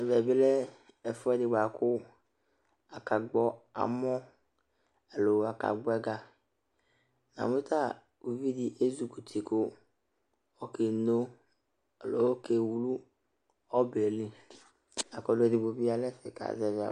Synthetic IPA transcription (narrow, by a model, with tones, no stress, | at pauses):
e˨vɛ˨bɪ˦lɛ˦ | ɛ˨fʊ˦ɛ˦dɪ˨ɡ͡ba˨kʊ˦ | a˨ka˨ɡ͡bɔ˦a̰˨mɔ˦ | e˨lo˨a˨ka̰˨ɡ͡bɔ˦ɛ˦ɡa˨ | na̰˨mẽ˦t̪a˦˨ | u˨vi˦di˨ʔe˦zu˨ku˨t̪ʰi˨kʊ˦ | ɔ˨ke˨no˦ | e˨lo̰˨wo˦ke˨wu˨lu˦ | ɔ˦be˨li˦ | a˨kɔ˨lʊ˦e˨di˨bo˨bi˦a˨lɛ˦sɛ˨ka̰˨zɛ˦vɪ˨a̰˨